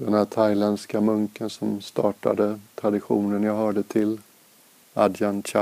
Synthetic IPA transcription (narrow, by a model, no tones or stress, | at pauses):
d̪ɛnhæːʈ̪ʰajlɛnd̪skamɵŋkənsɔmst̪ɑːʈa̰d̪ət̪ʰɾad̪ɪɧuːnənjɑːhœːɖət̪ʰɪl | ad̪janɕa